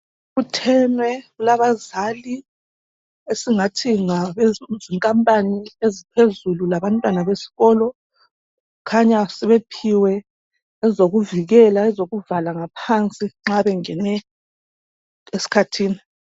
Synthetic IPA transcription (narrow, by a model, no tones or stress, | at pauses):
ɣutʰɛnwɛɣulaβazali | esiŋatʰiŋaβeziŋkʼampʼaniezipʰezululaβantʼwanaβesi̥ɣɔːlɔ | kʰaɲasɛβepʰiwɛ | ɛzoɣuviɣɛlaɛzoɣuvalaŋapʰant͡sʼiŋ͡ǁaβɛŋɛnɛ | esi̥kʰatʰiːni